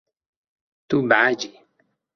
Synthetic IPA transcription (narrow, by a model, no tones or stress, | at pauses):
t̪ubaad͡ʒi